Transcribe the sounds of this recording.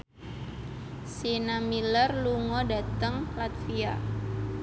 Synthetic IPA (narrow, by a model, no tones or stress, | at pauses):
sinamilərluŋɔda̤t̪əŋlat̪̚fia̰